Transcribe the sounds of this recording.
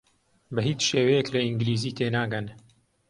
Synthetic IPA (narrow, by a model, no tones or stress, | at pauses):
bɐɦit͡ʃʃeːwɐjeklɐiŋɡɪliːziːt̪ʰeːnaːɡɐn